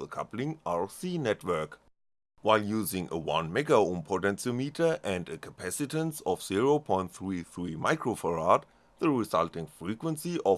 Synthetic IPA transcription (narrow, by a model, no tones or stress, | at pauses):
ðəkʰaplɪ̃ŋʔaɹsinɛtʰwɜ˞k | waɪljuːzɪ̃ŋə̰wã̰nmɛɡaõmpʰotɛ̃nsəlmitʰə˞ʔɛ̃ndəkʰəpʰæsɪtə̃nsɔfz̥iɹopʰɔ̃ɪ̃nt̪θɹiθɹimaɪkʰɹofəɹad | ðəɹɪzaltɪ̃ŋfɹikwə̃nsiɔ